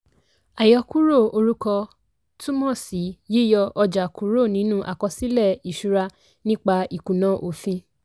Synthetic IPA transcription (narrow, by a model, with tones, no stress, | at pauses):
a˨jɔ˧ku˦ɾo˦˨o˧ɾu˦kɔ˧ | tu˦mɔ̃˦˨si˨˦ji˦jɔ˧ʔɔ˧d͡ʒa˨ku˨˦ɾo˦˨nĩ˨˦nũ˦ʔa̰˨kɔ˧si˦lɛ˦˨i˨ʃu˧ɾa˧ | nĩ˦k͡pa˧i˨kũ˨nã˨˦ʔo˨fĩ˧